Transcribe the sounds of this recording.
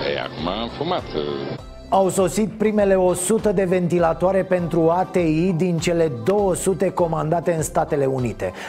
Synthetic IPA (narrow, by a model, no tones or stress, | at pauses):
ḛja̰kumaːmfumat̪ | awso̞sit̪̚pɾime̞le̞o̞sut̪əd̪e̞ve̞nt̪ilat̪oaɾe̞pe̞nt̪ɾuat̪e̞id̪int͡ʃe̞le̞d̪o̞wəsut̪e̞ko̞mand̪at̪e̞ɨnst̪at̪e̞le̞unit̪e̞̰